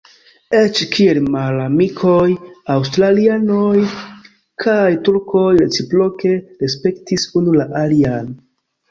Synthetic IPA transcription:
et͡ʃkʰielmalamikʰojawstɾaliano̞j | kʰajtuɾko̞jɾe̞t͡sipɾo̞ke̞ɾe̞spe̞ktisunulaʔalian

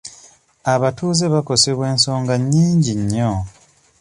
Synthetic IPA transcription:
aβatuːzeβako̞se̞βwe̞ːnso̞ːŋɡaɲːiːɲɟiɲːo

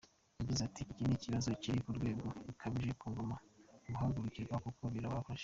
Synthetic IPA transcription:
jaɟizatiiciniciβazo̞ciɾikuɾɡwe̞ːɡo̞ukʰaβiʒekuːŋɡo̞mauβuɦaɡuɾuciɾɡwakukoβiɾaβafaʃe̥

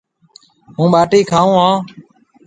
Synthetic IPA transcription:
ɦũːɓaːʈiːkʰaːũːɦãː

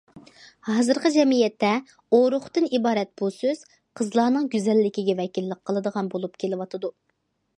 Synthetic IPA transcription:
hɑːzɨɾqəd͡ʒɛmijɛt̪ʰːɛ | oɾʊχt̪ɨnibɑːɾɛt̪̚b̥usøz̥ | qʰəzlˠɑːnɨŋɡʲyzɛlːɪkʲiɡʲɛvɛkʲilːəqʰːəlˠɨd̪əʁɑnbolˠupkʲʰelɪwɑt̪ʰɨd̪u

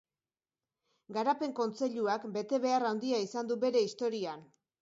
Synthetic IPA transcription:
ɡaɾape̞ŋko̞nt͡se̞ʎuakbe̞t̪e̞βe̞arawnd̪iaisand̪ube̞ɾe̞ist̪o̞ɾian

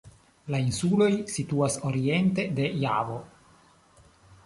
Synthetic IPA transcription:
lainsulo̞jsituaso̞ɾie̞nte̞de̞ja̰vo

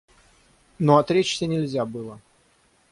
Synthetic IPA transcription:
noɐt̪ɾʲet͡ɕsʲɪnʲɪlʲzʲabɨlˠə

